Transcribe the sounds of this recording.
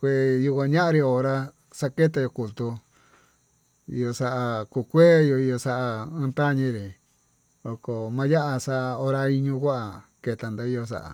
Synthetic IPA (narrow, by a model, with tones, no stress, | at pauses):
kʷe˧˨ju˧kʷã˧ɲã˦ʔã˧ɾi˧o˧˨ɾa˧ | sa˦˧ke˦t̪̬a˧jo˧ku˨lt̪u˧ | ḭ˧jo˧sa˧ʔa˧ku˧˨kʷeː˦jo˧i˧jo˧sa˦ʔãː˧˦˧t̪a˦˨ɲĩ˧ɾi˨ | o˧ko˨mã˧ja˦ʔa˧sa˦ʔa˧o˧ɾa˧i˧ɲũ˧kʷa˦ʔa˨ke˧t̪a˨nd̪a˧˦i˧jo˧s̬a̰˧ʔa̰˨